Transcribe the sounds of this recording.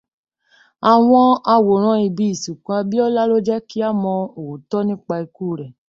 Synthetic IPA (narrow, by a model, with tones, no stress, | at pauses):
a˨w̃ɔ̃˧a˧wo˨ɾ̃ã˧i˨bi˧i˨su˨kã˧a˧bi˦ɔ˦la˦lo˦d͡ʒɛ˦ki˦a˦˨mɔ̃˧o˨wo˨tɔ˦nĩ˦k͡pa˧i˧kuː˦˨ɾɛ˨